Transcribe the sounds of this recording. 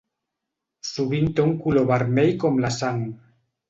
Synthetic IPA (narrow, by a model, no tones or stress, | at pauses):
suβint̪euŋkuloβaɾmejkomlasaŋ